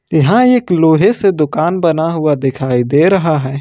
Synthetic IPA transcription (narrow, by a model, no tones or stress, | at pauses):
jɐɦãeːkloːɦesed̪ʊkaːnbɐnaɦʊad̪ɪkʰaːid̪eːɾɐɦaɦɛː